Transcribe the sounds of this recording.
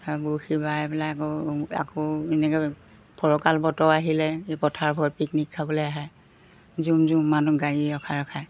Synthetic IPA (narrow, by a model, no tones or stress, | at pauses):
abuxibajɛpɛlaakɔa̰kɔɛnɛkɔ | pʰɔɹɔkalbɔtɔaɦilɛepɔtʰaɹbʱɔt̚piknikʰːabɔlɔjaɦɛ | zumzumːanuɡaɡiɔkʰaɹɔkʰaj